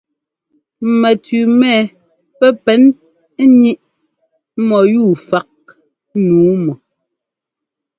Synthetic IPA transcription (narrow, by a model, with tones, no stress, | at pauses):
mɛ˨tʉ˨mɛ˦˨ | pɛ˦pɛ˨˦n˦ | ɲi˦ʔ | mɔ˨ju˦˨fa˦k̚ | nuː˨˦mɔ˨